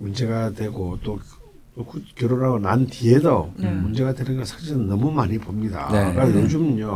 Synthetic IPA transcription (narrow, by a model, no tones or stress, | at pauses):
mund͡ʑe̞ɡadwe̞ɡot͈o | t͈okʰukjoɾoɾaɡonantiedomund͡ʑe̞ɡadwenɯnɡʌsʰaŋɕiɾɯnːʌmumaɲipomɲida̰eɾajod͡ʑumɲo